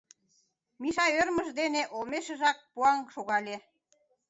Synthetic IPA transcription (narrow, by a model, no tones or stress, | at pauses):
miʃɑørməʒd̪eneʔolmeʃĕʒɑk̚puɑŋʃoɣɑlʲe